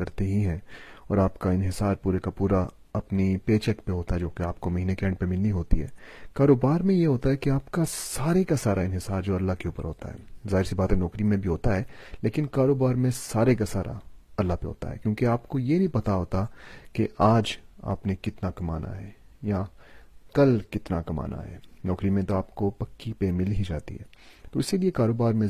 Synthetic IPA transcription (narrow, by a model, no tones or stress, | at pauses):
kɐɾt̪eɦiɦɛ̃ɔ̰ːɾaːpkaɪnɦɪsaːɾpuːɾekapuːɾa | ɐpnipeːt͡ʃɛkpeɦoːt̪aɦɛd͡ʒoːkeaːp̚komɐɦiːnekɛ̃ːɳɖpemɪldiɦoːt̪iɦɛ̰ːkaːɾoːbaːɾmẽjeɦoːt̪aɦɛkiaːpkasaːɾekasaːɾʔaɪnɦɪsaːɾd͡ʒoːɐlːaɦkeuːpə̰ɾɦoːt̪a̰ɦɛ̰ːzaːɦɪɾsibaːt̪ẽnɔːkɾimẽbʱiɦoːt̪aɦɛːleːkɪnkaːɾoːbaːɾmẽsaːɾekasaːɾʔa̰ɐlːapḛɦo̰ːt̪a̰ɦɛ̰ːkjõːkeaːpkojenɐĩpɐt̪aɦoːt̪akeʔaːd͡ʒa̰ːpnekɪt̪nakɐma̰ːna̰ɦɛː | ja | kɐlkɪt̪nakɐma̰ːnʔa̰ɦɛ̰ːnɔːkɾimẽt̪oaːpkopɐkːipemɪlɦid͡ʒa̰ːt̪ḭɦɛ̰ːt̪oɪsiliekaːɾoːbaːɾmẽ